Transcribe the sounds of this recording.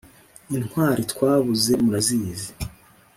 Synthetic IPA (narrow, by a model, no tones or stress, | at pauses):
inhwaːɾitkwaːβuze̞muɾaziːzi